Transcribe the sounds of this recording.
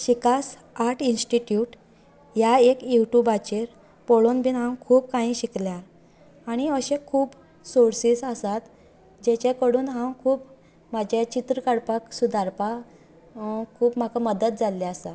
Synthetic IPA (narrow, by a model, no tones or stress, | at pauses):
ɕikas | aʈʰinsʈiʈjuːʈ | jaekjuʈubat͡ɕeɾ | poɭonbʱiːnɦãwkʰuːpkãĩːɕikljaɾ | aɽ̃iəɕẽkʰuːb | soɽsiːsasat̪ | d͡ʑet͡ɕakəɽuːnɦãwkʰuːp | mad͡ʑʱet͡ɕit̪ɾəkaɽpaksud̪aɾpa | kʰuːpm̤akaməd̪ət̪̚d͡zalːeasa